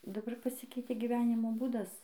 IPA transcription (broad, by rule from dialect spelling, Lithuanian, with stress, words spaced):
dɐˈbɐr pɐˈsʲɪkʲɛɪtʲeː ɡʲiːˈʋʲæːnʲɪmoː ˈbuːdɐs